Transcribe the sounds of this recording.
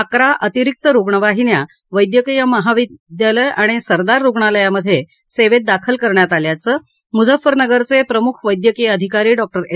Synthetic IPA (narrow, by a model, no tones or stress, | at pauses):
akɾaʔət̪iɾik̚t̪əɾuɡɳəʋaɦinja | ʋəjd̪jəkijəməɦaʋid̪jaləjaɽ̃isəɾd̪aɾːuɡɳaləjaməd̪ʱːje | seʋet̪̚d̪akʰəlkəɾɳjat̪aljat͡səː | mud͡zəfəɾnəɡəɾt͡sepɾəmukʰʋəjd̪jəkijəd̪ʱikaɾiːɖɔk̚ʈəɾe